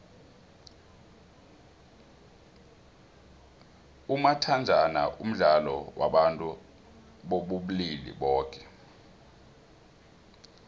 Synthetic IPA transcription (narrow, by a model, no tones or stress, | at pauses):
umatʰand͡ʒʱana̰ʔum̩ɮalɔwa̰ɓantʼu | ɓoɓuɓulilḭɓɔːkʼɛ̥